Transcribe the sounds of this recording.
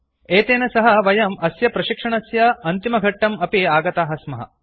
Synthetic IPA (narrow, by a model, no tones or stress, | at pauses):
eːt̪eːnɐsɐɦɐʋɐjɐmɐsjɐpɾɐʃikʂɐɳɐsjɐɐnt̪imɐɡʱɐʈːɐmɐpiaːɡɐt̪aːɦɐsmɐɦɐ̰